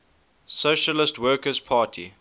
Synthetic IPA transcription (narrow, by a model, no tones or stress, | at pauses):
soʃəlɪstwɜːkəzpʰɑːtʰḭ